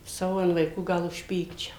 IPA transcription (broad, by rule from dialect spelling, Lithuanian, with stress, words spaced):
ˈsɑːʋoː ɐn ʋɐɪˈkuː ˈɡɐlˠ ʊʃʲˈpʲiːkt͡ʃʲɛʊ